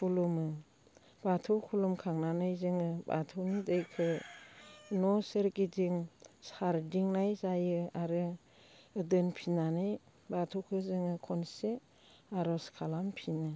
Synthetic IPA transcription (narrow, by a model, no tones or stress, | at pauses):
pʰulumɯ | b̥atʰɯwkʰulumkʰaŋnanɯajzɯŋɯba̰tʰɯwnidɯjkʰɯ | nɔsɯɾɡidiŋsaɾdiŋnajzajɯaɾɯː | dɯnpʰinanɯj | batʰuwkʰɯzɯŋɯkʰɔnse | aɾɔskʰalampʰinɯ